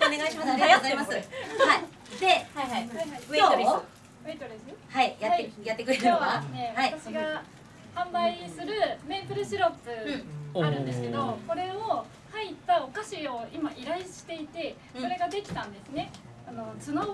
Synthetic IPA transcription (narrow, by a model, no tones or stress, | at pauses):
oneɡaiɕimaɾozaɾimasɨai | d̪ehaihaiaɦaieoɾi | et̪oɾʲishaijataːejat̪ːe̞kɯɾeoaasɨne̞βait̪aɕiɡa | hãmbaisɨɾɯ̟me̞ːpɯ̟ɾɯ̟ɕiɾo̞pɨaɾɯ̟̃nd̪e̞sɨ̥ke̞d̪o̞ko̞ɾe̞o | hait̪ːaokaɕio̞imaʔiɾaiɕi̥t̪e̞it̪e̞ | so̞ɾe̞ɡad̪e̞kʲi̥t̪ãnd̪e̞sɨne̞ | ano̞t͡sɨno